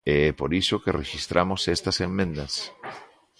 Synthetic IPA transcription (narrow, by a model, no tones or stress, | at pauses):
eɛpoɾisokerḛʃist̪ɾʔamosest̪ɐsemːẽnd̪ɐs